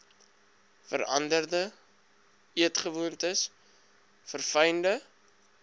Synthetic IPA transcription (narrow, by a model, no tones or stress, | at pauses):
fə̰ɾɐ̰ndərdə | iətχəvuəntəs | fərfɛjndə